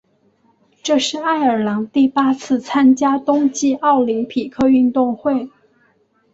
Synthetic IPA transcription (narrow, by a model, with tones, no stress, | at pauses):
ʈ͡ʂɤ˥˧ʂɻ̩˥˧a˥˩ɪə˞˨˩lɑ˧˥ŋt̪i˥˩pa˥t͡sʰɹ̩˥˩t͡sʰa˥nt͡ɕja˥t̪ʊ˥ŋt͡ɕi˥˧ɑ˥˩ʊli˧˥ŋpʰi˨˩kʰɤ˥˧y˥˧nt̪ʊ˥˧ŋxwe˥˩ɪ